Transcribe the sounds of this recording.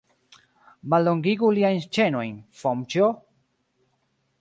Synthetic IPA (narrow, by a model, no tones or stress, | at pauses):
malːoŋɡiɡuliajnst͡ʃeno̞jnfomt͡ʃo